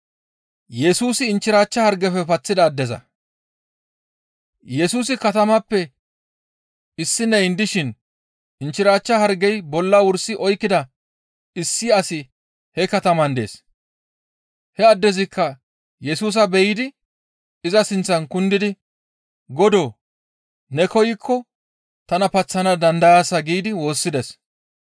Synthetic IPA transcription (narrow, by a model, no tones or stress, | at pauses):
jɛsuːsɪːnt͡ʃːɪɾaːt͡ʃːɐhɐɾɡɛfɛpɐt͡sːɪd̪ɐːd̪ːɛzɐ̰ | jɛsuːs̬ɪkɐt̪ɐmɐpːɛ | ɪsːɪnɛjnd̪ɪʃɪn | ɪnt͡ʃːɪɾaːt͡ʃːɐhɐɾɡɛjbɔlːɐwʊɾsɪʔɔjkːɪd̪ɐ | ɪsːɪɐsɪ | hɛkɐt̪ɐmɐnd̪e̞̰ːs | hɛɐd̪ːɛzɪkʰːɐ | jɛsuːs̬ɐbɛjɪd̪ɪ | ɪzɐsɪnt͡sːɐnkʊnd̪ɪd̪ɪ | ɡɔd̪oː | nɛkɔjɪkʰːɔ | t̪ɐnɐpɐt͡sːɐnɐd̪ɐnd̪ɐjaːsɐɡiːd̪ɪwo̞ːsːɪd̪ɛs